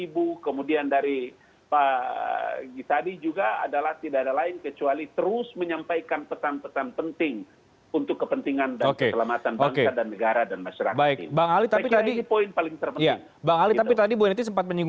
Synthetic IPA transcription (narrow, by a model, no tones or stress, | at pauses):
ibukəmudiandaɾi | pa | ɡisadid͡ʒuɡaa̰dalaht̪idaːdalaɪnkət͡ʃualit̪əɾʊsməɲampajkanpəsanpəsanpənt̪ɪŋ | unt̪ʊkːəpənt̪iŋandaokəeəlamat̪anbaoŋkeadanːəɡaɾadanmaʃaɾakbaɪkbaŋalit̪apit̪adiipoɪnpalɪŋt̪ərpəj̪aɪŋ | baŋalit̪ap̬it̪adiboinit̪us̬əmpat̪̚məɲuɡ